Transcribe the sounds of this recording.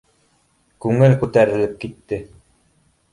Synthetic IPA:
kʉŋɘlkʉt̪æɾɘ̆lɘp̚kit̪ːɘ

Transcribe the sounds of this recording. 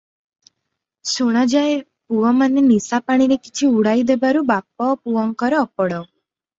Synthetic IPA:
soɽ̃ad͡ʒae | puʋɔmanenisapaɽ̃iɾekit͡ʃʰiuɽaid̪ebaɾubap̚ɔpuɔŋkɔɾɔːpɔɽɔ

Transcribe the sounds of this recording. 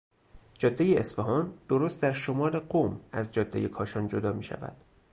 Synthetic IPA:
d͡ʒɒd̪ːejeesfeɦɒːnd̪̥oɾost̪̚d̪æɾʃomɒːɾe̞ɢomæzd͡ʒɒːd̪ːejekʰɒːʃɒːnd͡ʒod̪ɒːmiːʃæ̰væ̰d̪̥

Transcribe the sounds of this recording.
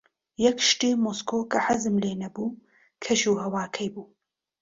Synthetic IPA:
jɐkʃtiːmoːskoːkʰɐħazɨmleːnɐbuː | kʰɐʃuːɦɐwaːkʰɐjbuː

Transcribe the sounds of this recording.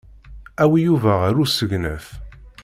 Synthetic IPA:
æwijuvæʁæɾusəʝnə̰f

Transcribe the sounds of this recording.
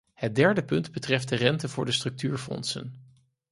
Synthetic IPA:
hət̚dɛɹdəpɵndbətrɛft̚dərɛntəvʊːɹdəstrɵk̚tyːɹfɔ̰nsə̰n

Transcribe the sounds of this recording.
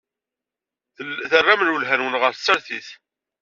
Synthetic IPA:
θθərˤːamənəlɦænwənʁəɾθt͡sːɾθiθ

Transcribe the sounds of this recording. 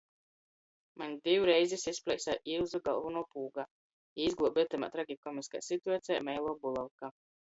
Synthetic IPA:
maɲʲid̪iwuɾɛjzisisplʲɛjsaʔilˠzuɡalˠvunuːpuːɡa | iːzɡlˠuɔbiɛt̪ɛma̰t̪ɾaɡʲikɔmiska̰jsit̪uat̪sʲɛjamɛjlˠɔːbulˠalˠka

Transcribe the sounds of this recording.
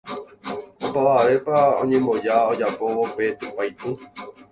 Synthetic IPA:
opaʋaɾe̞paõ̰ɲẽ̞mõ̞d͡ʒaod͡ʒapo̞ope̞t̪upajt̪ɨ

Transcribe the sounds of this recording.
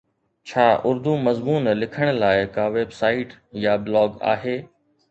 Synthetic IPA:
t͡ɕʰaːʔʊɾd̪umɐzmuːnlɪkʰəɽ̃laːɪkaːʋeːbsaːɪʈjabɪlɔːɡa̰ːɦeː

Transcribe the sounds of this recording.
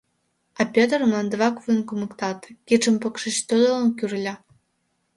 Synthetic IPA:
ɑpʲet̪̬ərmlˠɑnd̪ə̆βɑkvunkumə̆kt̪ɑt̪kit͡ʃə̆mpokʃət͡ɕt̪ød̪olənkyrlʲɑ

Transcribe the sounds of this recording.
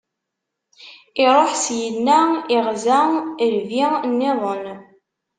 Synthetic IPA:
ɪɾˤoħsjənːæɪʁzæəɾvinːɪðˤən

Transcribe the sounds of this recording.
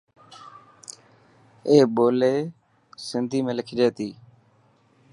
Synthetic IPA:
eːɓoːleː | sɪnd̪ʱiːmẽːləkʰiːd͡ʒeːt̪iː

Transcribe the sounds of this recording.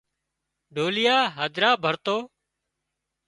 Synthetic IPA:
ɖʱoːlɪjaːɦəd̪ɾaːbʱəɾt̪oː

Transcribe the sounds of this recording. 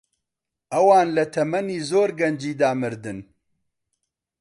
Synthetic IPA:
ʔɐwaːnlɐt̪ʰɐmɐniːzoːɾɡɐnd͡ʒiːd̪aːmɨɾd̪ɨn

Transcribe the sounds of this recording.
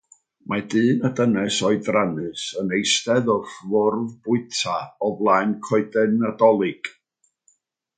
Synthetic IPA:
madɨːnədənɛsɔɨdranɨsənejstɛðɔfvʊrvbʊɨtʰaɔblˠajnkʰɔɨdɛnadɔlˠɨɡ̥

